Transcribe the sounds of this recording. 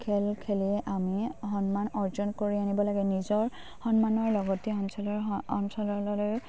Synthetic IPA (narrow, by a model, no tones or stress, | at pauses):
kʰɛlkʰeliɛʔamixɔnmanɔɹzɔnkoɹianibɔlaɡɛnizɔɹ | hɔnmanɔɹlɔɡɔtiɔnsɔlɔɔnsɔlɔlɔloj